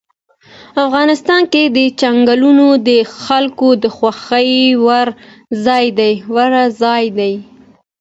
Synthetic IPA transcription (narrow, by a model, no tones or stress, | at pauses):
afɣɑnɪst̪ɑnked̪ət͡ʃaŋɡalunod̪əxalkod̪əxwaxəjwaɾ | zɑjd̪ajwaɾazɑjd̪aj